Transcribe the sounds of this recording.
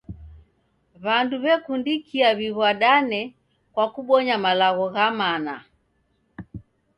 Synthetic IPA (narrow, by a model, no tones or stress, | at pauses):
βanduβɛkundikʰiaβiɣwaɗanɛ | kwakuɓɔɲamalaɣɔɣamana